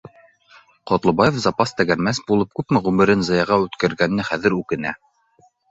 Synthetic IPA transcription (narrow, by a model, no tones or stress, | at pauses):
qɒt̪lˠɤ̆bɑjefzɑpɑst̪æɡæɾmæsbulˠɤp̚kʉpmɘʁʉmɘ̆ɾɘnzɤ̆jɑʁɑʉt̪kɘ̆ɾɡænːɘχæðɘ̆ɾʉkɘ̆næ